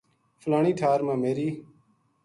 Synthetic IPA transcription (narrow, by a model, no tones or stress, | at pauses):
fʰəlaːɳiːt̪ʰaːɾmãːmeːɾiː